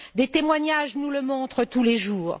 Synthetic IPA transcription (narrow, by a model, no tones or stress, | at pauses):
d̪et̪emwaɲaʒnuləmɔ̃t̪χət̪uleʒuːʁ